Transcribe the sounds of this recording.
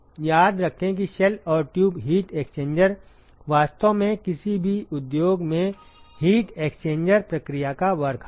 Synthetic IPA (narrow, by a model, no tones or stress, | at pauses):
jaːd̪ɾɐkʰẽk̬iʃɛlɔːɾʈjuːbɦiːʈeːkst͡ʃẽːɲd͡ʒəɾ | ʋaːst̪omẽkɪsibʱiʊd̪joːɡmẽhiːʈeːkst͡ʃẽːɲd͡ʒəɾpɾɐkɾijakaʋɐɾkʰ